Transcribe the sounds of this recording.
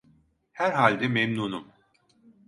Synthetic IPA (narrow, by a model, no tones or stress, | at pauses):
hæɾɦalʲd̪ɛmɛmnuːnum